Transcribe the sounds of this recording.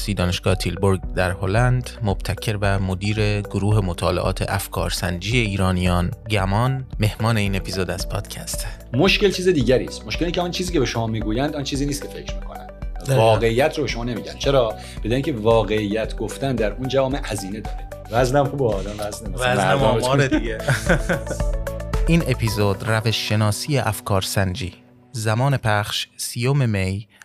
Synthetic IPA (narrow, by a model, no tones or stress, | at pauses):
siːd̪ɒːneʃɡ̥ɒːhet̪ʰilboɾɡd̪æɾholænd̪mob̥̚t̪ʰæcʰːe̞ɾbæmod̪iːɾeɡoɾuːɦe̞mot̪ʰɒːlḛʔɒ̰ːt̪ʰḛʔæfkʰɒːɾsænd͡ʒiːjeiːɾɒːnijɒːnɟæmɒːnme̞hmɒːne̞iːnepʰizod̪æz̥pʰɒːd̪̥cʰæst̪moʃke̞lt͡ʃʰiːzed̪iːɟæɾḭːst̪moʃke̞licʰeɒnt͡ʃʰiːziːcʰebe̞ʃo̞mɒːmiɡuːjænd̪ɒnt͡ʃʰiːziːniːst̪̚cʰe̞fecʰɾmiːkʰo̞̰næ̰nvɒːɣe̞iːjæt̪ʰɾobe̞ʃoɒːne̞miːɟæ̰nd̥̪t͡ʃʰe̞ɾɒː | b̥e̞d̪ɒːɾiŋcʲʰe̞vɒːɣe̞ijæt̪ʰɡoft̪ænd̪æɾʔund͡ʒævɒːmehæziːne̞d̪ɒ̰ːɾe | væznæmxubed̪æmvæznevæznæmɒmɒːɾed̪iɡe | iːne̞pʰiːzod̪̥ræveʃːe̞nɒːsijeʔæfkʰɒːɾsænd͡ʒḭː | zæmɒːne̞pʰæχʃsiːjomemej